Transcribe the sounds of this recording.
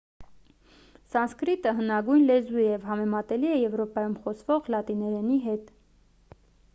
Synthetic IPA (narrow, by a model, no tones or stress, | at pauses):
sɑnskɾit̪əɦənɑɡujnlɛzujɛvɦɑmɛmɑt̪ɛliɛjɛvɾɔpɑjumχɔsvɔʁlɑt̪inɛɾɛniɦɛt̪